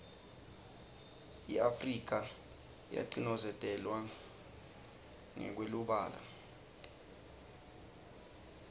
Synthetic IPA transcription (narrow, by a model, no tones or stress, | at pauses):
iafrik̬a | ja̰ǃinɔzɛtʼɛlwa | ŋɛ̰k̬weluɓaːla̰